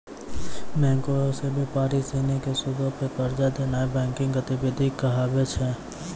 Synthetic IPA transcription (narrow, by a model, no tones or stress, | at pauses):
mɛ̃ːŋkoosebʱipaːɾiseːnekesʊd̪ʱopekəɾd͡ʒad̪eːnaːebɛ̃ːŋkɪ̃ŋɡət̪ɪbɪd̪ʱikːəɦaːbet͡ʃʰɛ